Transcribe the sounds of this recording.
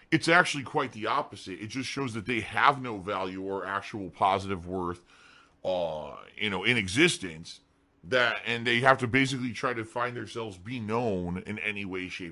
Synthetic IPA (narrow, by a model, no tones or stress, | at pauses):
ɨtsæk̚t͡ʃʉl̩ˠikʰw̥aɪt̪̚ðiɑpɨzɨɾɨt̚d̥ʒ̥ʌstʃoʊzðɨt̪̚ðeɪəvnoʊvælˠjʉə˞æk̚t͡ʃəl̩ˠpʰɑzɨɾɨvwɜ˞θ | jɨ̰noʊɨ̃nɨɡzɪstɨ̃ns | ðɨɾɨ̃nðeɪɦæftɨbeɪs̬ɨklitʰɹ̥aɪɾɨfãɪ̃nðə˞sɛlˠvzbinõʊ̃nɨ̰̃nɛniweɪʃeɪ